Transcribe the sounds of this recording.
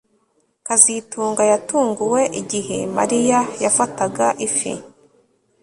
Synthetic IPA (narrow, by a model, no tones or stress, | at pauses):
kazituːŋɡajatuːŋɡuwe̞ʔiɟihe̞̰ma̰ɾijajafataɡaʔifḭ